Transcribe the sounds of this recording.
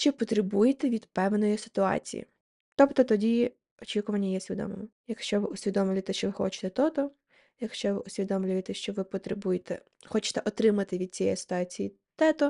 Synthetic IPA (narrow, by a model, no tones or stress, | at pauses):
t͡ʃɪpɔt̪ɾɪbujet̪ɛʋʲid̪pɛwnɔjisɪ̥t̪ʊɑ̰t͡sʲḭjḭ | t̪ɔpt̪ɔt̪ɔdʲi | ɔt͡ʃʲikʊʋɐnʲːɐjɛsʲʋʲid̪ɔ̰mɪ̰mʊjɐkʃt͡ʃɔʋɪʊsʲʋʲid̪ɔmlʲʊjet̪ɛʃt͡ʃɔʋɪxɔ̰t͡ʃɪ̥t̪ɛt̪ɔt̪ɔ | jɐkʃt͡ʃɔʋɪ̰ʔʊsʲʋʲid̪ɔmlʲʊjet̪ɛʃt͡ʃɔʋɪpɔt̪ɾebujet̪ɛ̰ | xɔt͡ʃɪ̥t̪ɛʔɔt̪ɾɪmɐt̪ɪʋʲid̪̚t͡sʲijɛ̰sɪ̥t̪ʊɑt͡sʲijḭ | t̪ɛt̪ɔ